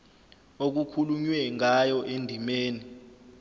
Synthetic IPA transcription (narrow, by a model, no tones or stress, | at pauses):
ok̬ukʰuluɲwɛŋʱajɔʔendʱimeːni